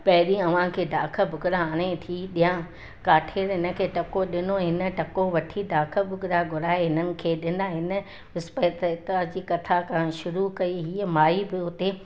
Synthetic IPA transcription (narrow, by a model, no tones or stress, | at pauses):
pɐɦɪɗĩɐʋ̤ãkʰeːd̪ʱaːkʰəbʱʊɡɾaaːɽ̃et̪ʰiɗijã | kaːʈʰeːɾɦɪnə̆kʰeːʈɐkoɗɪnoɦɪnə̆ʈɐkoʋɐʈʰid̪ʱaːkʰəbʱʊɡɾaɡʱʊɾaːeɦɪnənɪ̆kʰeːɗɪ̃n̆d̪aɦɪnə̆ | ɪspət̪ət̪ad͡ʑiːkɐt̪ʰakãːʃʊɾukɐiɦiːəmaːibɪɦʊt̪e